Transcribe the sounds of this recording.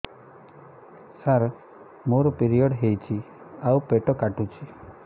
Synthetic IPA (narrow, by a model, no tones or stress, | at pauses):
saɾ | moɾɔpiɾiɔɽɦejt͡ʃʰi | awpeʈɔkaʈut͡ʃʰi